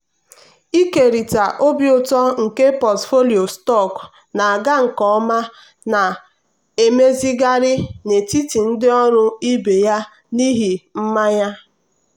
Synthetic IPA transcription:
i˦ke˨ɾi˨ta˨ʔo˦bjʊ˦˨tɔ˦ŋ̩˨ke˦pɔ˨tfo˦li˨o˨stɔ˦˨k | na˨a˨ɡa˦ŋ̩˨kɔ˦ɔ˦ma˦ | na˨ | e˨me˦zi˦ɡa˦ɾɪ˦ne˨ti˦ti˨n̩˦dɪ˦ɔ˦ɾʊ˦i˦be˨ja˦ | ni˦ɦi˨m̩˦ma˦ja˦

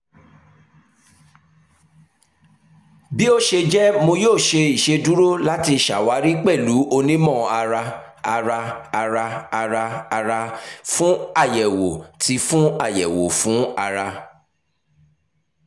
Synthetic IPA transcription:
bi˦o˦˨ʃe˧d͡ʒɛ˦mõ˧joː˦˨ʃe˧i˨ʃe˧du˦ɾo˦la˦ti˧ʃa̰˨wa˨˦ɾi˦k͡pɛ˦˨lu˨˦ʔo˧nĩ˦mɔ̃˦˨a˧ɾa˧a˧ɾaː˧ɾaː˧ɾaː˧ɾa˧fũ˦a˦˨jɛ˨wo˨ti˨˦fũ˦a˦˨jɛ̰˨wo̰˨fũ˨˦a˧ɾa˧

